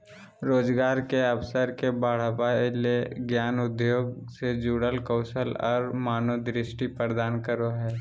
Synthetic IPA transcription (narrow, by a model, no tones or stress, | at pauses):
ɾoːd͡ʒɡaːɾkeəpsəɾkebaːɽ̤əʋaeleɡjaːnʊd̪ʱjoːɡsed͡ʒuːɽəlkəʊsəlɔːɾmaːnod̪ɾɪʃʈipəɾd̪aːnkəɾoɦɛː